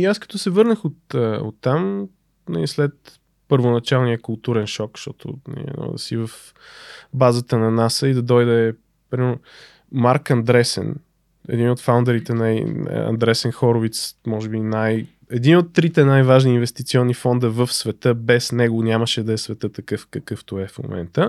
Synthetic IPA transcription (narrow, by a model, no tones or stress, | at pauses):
iaskɐ̥t̪ɔsɛvɤɾnəxot̪əo̰t̪ːam | nɐ̰lislɛt̪ | pəɾvonɐt͡ʃalˠnijəkʊlˠt̪uɾɛnʃɔkʃt̪ɔt̪ʊ̰nɐ̰lḭɛ̰nɔ̰d̪ɐ̰sivəf | bazət̪ənɐnasəid̪ɐd̪ɔjd̪ɛ | pɾimɛɾno | maɾkɐnd̪ɾɛsɛ̰n | ɛ̰d̪inot̪fawnd̪ɛɾit̪ɛnaḭɐ̰nd̪ɾɛsɛnxɔɾovit̪smɔʒɛbinaj | ɛd̪inot̪ːɾit̪ɛnajvaʒniːnvɛst̪it̪siɔnːifɔnd̪əvəfsvɛt̪ɤbɛsnɛɡonʲaməʃɛd̪ɐɛsvɛt̪ət̪ɐkɤfkɐkɤft̪oɛfmo̰mɛ̰nt̪ə